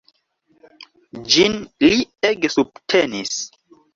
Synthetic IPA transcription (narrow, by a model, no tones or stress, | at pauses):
d͡ʒinlieɡesubtʰenis